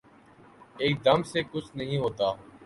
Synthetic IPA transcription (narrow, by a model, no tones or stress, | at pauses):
eːk̚d̪əmseːkʊt͡ʃʰnəɦĩːɦoːt̪aː